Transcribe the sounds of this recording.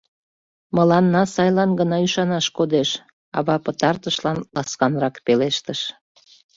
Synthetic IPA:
məlɑnːɑsɑjlɑnɡənɑyʃɑnɑʃkod̪eʃ | ɑ̰βɑpət̪ɑrt̪əʃlɑnlɑskɑnrɑkpeleʃt̪əʃ

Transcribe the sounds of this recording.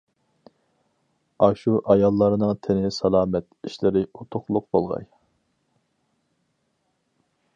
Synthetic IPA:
ɑʃuʔɑjɑlˠːɑɾɨnɨŋt̪ʰɪnɪsɑlˠɑːmɛt̪iʃlɪɾɪut̪ʰʊqlˠʊqb̥olˠʁɑ̰j

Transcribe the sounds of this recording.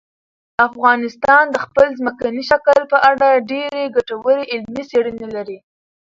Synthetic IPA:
afɣɑnɪst̪ɑnd̪əxpəlzməkaniʃakəlpəʔaɽaɖeɾeɡaʈawəɾeʔɪlmiseɽənelaɾi

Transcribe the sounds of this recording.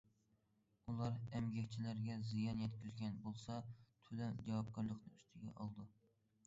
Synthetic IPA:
ulˠɑɾɛmɡʲɛkʲt͡ʃʰilæɾɡʲɛzijɑnjɛt̪kʲyzɡʲɛnbolˠsɑt̪ʰylɛmd͡ʒɑwɑp̚kʰɑɾlˠəqnɨyst̪ʰɪɡʲɛ̰ʔɑlˠd̪u

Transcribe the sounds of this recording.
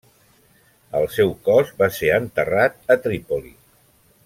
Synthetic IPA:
əlˠsɛwkɔzbaseɾənt̪ərat̪̚ət̪ɾipolḭ

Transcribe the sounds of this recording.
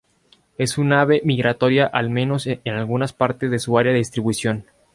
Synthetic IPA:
e̞sunaβe̞miɣɾat̪o̞ɾjaʔalmẽ̞no̞senalɣunaspaɾt̪e̞zðe̞suaɾjaðeðist̪ɾiβwuisjo̞n

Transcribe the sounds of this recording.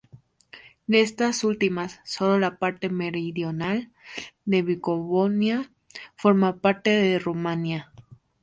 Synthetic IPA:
d̪eest̪asult̪imasːo̞lolapaɾt̪emeɾiðjonald̪e̞βikoβonja | foɾmapaɾt̪eðeromanja

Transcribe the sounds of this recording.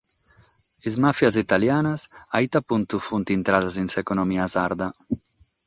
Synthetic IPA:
ezmafjaz̬it̪aljaːnasait̪apunt̪ufunt̪int̪ɾad̪azinsekonomiazaɾd̪a

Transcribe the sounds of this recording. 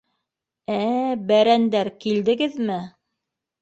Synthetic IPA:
æbæɾænd̪æɾkild̪ɘ̆ɡɘðmɘ

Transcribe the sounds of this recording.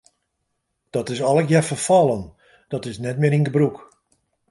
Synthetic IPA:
d̥ɔtɪsɔlˠəkjɛfərfɔlˠən | d̥ɔtɪsnɛtmɪːɾiŋɡəbruk

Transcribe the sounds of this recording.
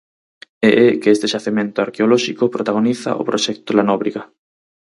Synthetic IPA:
eʔɛkest̪eʃaθemẽnt̪ʊaɾkeolɔʃikopɾot̪aɣoniθa̰ʔo̰pɾoʃɛk̚t̪olanɔβɾiɣɐ

